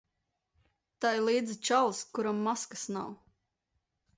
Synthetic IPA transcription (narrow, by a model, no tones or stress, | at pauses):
t̪ajlˠiːd̪zit͡ʃalˠskuɾamːaskə̥snaw